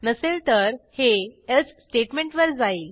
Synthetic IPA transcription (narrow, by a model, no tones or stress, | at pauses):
nəselt̪əɾheet͡ssʈeʈmẽɳʈʋəɾd͡zail